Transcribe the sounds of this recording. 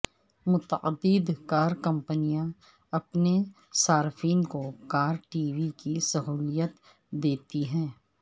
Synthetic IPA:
mʊt̪əəd̪id̪kaːɾkɐ̃mpənijã | ɐpne | saːɾfiːnkokaːɾʈiːʋikisɐɦuːlijət̪ | d̪eːt̪iɦɛ̃ː

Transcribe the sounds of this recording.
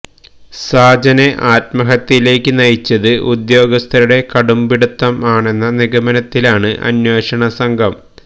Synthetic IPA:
saːd͡ʑɐneʔaːt̪̚mɐɦɐt̪ːile̞ːkːɨnɐjit͡ɕːɐðɨʔud̪jo̞ːɡɐst̪ʰɐɾuɽe̞kɐɽumbiɽut̪ːɐmaːɳe̞nːɐniɣɐmɐnɐt̪ːilaːɳɨʔɐ̰nwoːʂɐɳɐsɐŋɡʱɐm

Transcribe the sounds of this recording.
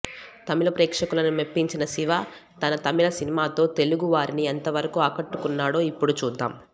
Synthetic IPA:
t̪ɐmilɐpɾɛːkʂɐkulɐnumepːiɲt͡ʃinɐsiʋaːt̪ɐnɐt̪ɐmilɐsinimaːt̪o̞ːt̪eluɡuʋaːɾinient̪ɐʋɐɾɐkuaːkɐʈːukunːaːɽo̞ːipːuɽut͡ʃuːd̪ːa̰ːm

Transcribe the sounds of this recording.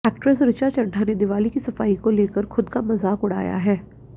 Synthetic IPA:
ɛːk̚ʈɾɛsɾɪt͡ʃat͡ʃɐ̃ɳɖʰʱaːned̪ɪʋaːlikisɐfaːikoleːkəɾxʰʊd̪kamɐzaːkʊɽ̤a̰ːja̰ɦɛː

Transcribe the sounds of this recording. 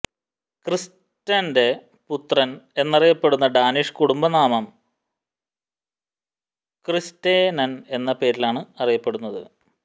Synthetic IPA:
kris | tːɐnde̞ | put̪rɐne̞nːɐrijɐpːe̞ɽunːɐɖaːniʂkuɽumbɐnaːmɐm | kristeːnɐne̞nːɐpe̞ːɾilaːɳɨɐrijɐpːe̞ɽunːɐðɨ̰

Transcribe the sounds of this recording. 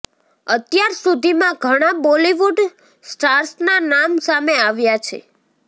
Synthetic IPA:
ət̪jaɾsud̪ʱimãɡʱəɽ̃abɔliʋuɖ | sʈaɾsnanamsameaʋjat͡ʃʰḛ

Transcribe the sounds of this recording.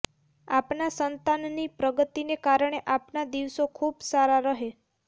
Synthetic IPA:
apnasənt̪anːipɾəɡət̪inekaɾɳ̃eʔapnad̪iʋsokʰubsaɾaɾəɦe

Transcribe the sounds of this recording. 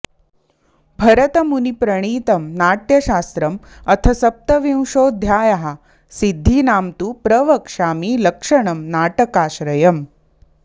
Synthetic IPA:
bʱɐɾɐt̪ɐmunipɾɐɽ̃iːt̪ɐmnaːʈjɐʃaːst̪ɾɐmɐt̪ʰɐsɐp̚t̪ɐʋĩw̃ʂoːd̪ʱjaːjaɦa | sid̪ʱːiːnaːmt̪upɾɐʋɐkʂaːmiːlɐkʂɐɳ̃ɐmnaːʈɐkaːʃɾɐjɐm

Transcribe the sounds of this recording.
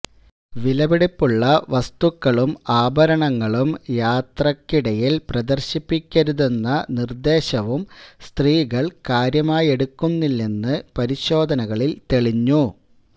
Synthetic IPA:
ʋilɐbiɽipːuɭːɐʋɐst̪ukːɐɭumaːbʱɐɾɐɳɐŋːɐɭumjaːt̪rɐkːiɽɐjilprɐd̪ɐrɕipːikʲːɐɾuðenːɐnird̪e̞ːɕɐʋumst̪riːɣɐɭkaːɾjɐmaːje̞ɽukːunːilːenːɨpɐɾiɕo̞ːd̪ʱɐnɐɣɐɭilt̪eɭiɲːu

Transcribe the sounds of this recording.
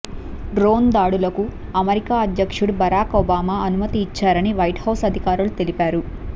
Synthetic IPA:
ɖɾoːnd̪aːɽulɐku | ɐmɐɾikaːɐd̪jɐkʂuɽbɐɾaːkoːbaːmaːɐnumɐt̪iːt͡ʃːaːɾɐniʋɐjʈhɐwsɐd̪ʱikaːɾulut̪e̞lipaːɾu

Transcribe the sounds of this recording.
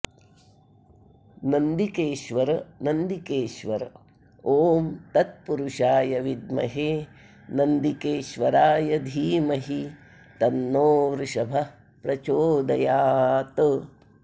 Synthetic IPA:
nɐnd̪ikeːʃʋɐɾnɐnd̪ikeːʃʋɐɾ | oːmt̪ɐt̪̚puɾuʃaːjɐʋid̪̚mɐ̰ɦeː | nɐnd̪ikeːʃʋɐɾaːjɐd̪ʱiːmɐɦi | t̪ɐnːoːʋɾʃɐbʱɐ | pɾɐt͡ʃoːd̪ɐjaːt̪ɨ

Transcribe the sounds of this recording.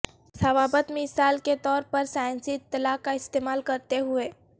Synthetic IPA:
sɐʋaːbət̪mɪsaːlket̪ɔːɾpɐɾsaːj̃nsiɪt̪ːɐlaːkaɪst̪eːmaːlkɐɾt̪eɦʊeː

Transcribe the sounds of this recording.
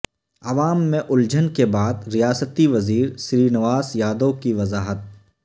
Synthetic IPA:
ɐʋaːmːẽʔʊld͡ʒənkebaːd̪ɾijaːsət̪iʋɐziːɾsɾiːnɐʋaːzjaːd̪okiʋɐzaːɦət̪̚

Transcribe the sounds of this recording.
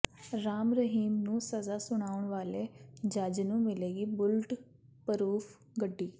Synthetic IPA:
ɾaːmɾəɦiːmnũːsəzaːsʊɽ̃aːʊɳ̃ʋaːleːd͡ʒad͡ʒnũːmɪleːɡiːbʊlʈ | pəɾuːpʰ | ɡəɖːiː

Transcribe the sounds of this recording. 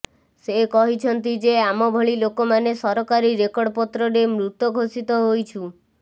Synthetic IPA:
sekɔɦit͡ʃʰɔnt̪id͡ʒeamɔbʱɔɭilokomanesɔɾɔkaɾiɾekɔɽɔpɔt̪ɾɔɾemɾut̪ɔɡʱosit̪ɔɦojt͡ʃʰu

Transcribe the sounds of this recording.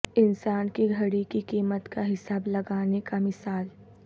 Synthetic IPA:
ɪnsaːnkiɡʱɐɽikikiːmət̪kaɦɪsaːblɐɡaːnekamɪsaːl

